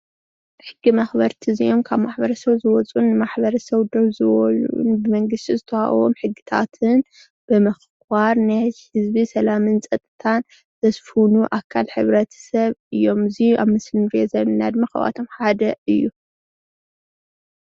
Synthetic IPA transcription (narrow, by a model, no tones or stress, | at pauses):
ħɨɡːimɐxbɐɾt̪ʰɨziʔomkʰaβmaħbɐɾɐsɐβzɨwɔt͡sʼunːɨmaħbɐɾɐsɐβd̪oβzɨwɔluṵnbɨmɐŋɡɨst̪ʰizɨt̪ʰɐha̰ʔwo̰mħɨɡːɨt̪ʰa̰t̪ʰɨn | b̥ɨmɨx | kaɾnajhɨzbisɐlamɨnt͡sʼɐt̪ʼːɨt̪ʰan | zɐsfunuʔakʰːalħɨβɾɐt̪ʰɐ̥sɐβɨjːo̞mɨziʔa̰βmɨslɨmɾezɐnːad̪maxɐ̰βa̰t̪ʰo̞mħad̪ɐɨjːu